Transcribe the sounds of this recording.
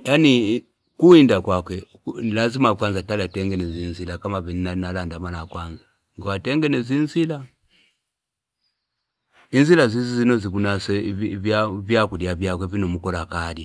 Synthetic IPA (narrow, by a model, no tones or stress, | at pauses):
jani | kuindakwakwɛ | lazimakwanzatalatɛŋɡɛnɛzinzilakamavininainalandamalakwanza | ŋɡwatɛŋɡɛnɛzinzila | inzilazizizinɔzikunasɛvavjakulijavjakwɛvinɔmukɔlakadi